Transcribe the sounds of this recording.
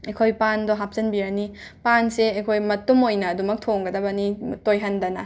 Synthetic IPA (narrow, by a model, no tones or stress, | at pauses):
ɐjkʰojpandɔɦap̚zɐnbiɾɐni | panseɐjkʰojmɐtumojnɐːdumɐk̚tʰoŋɡɐdɐbɐnitojɦɐndɐnɐ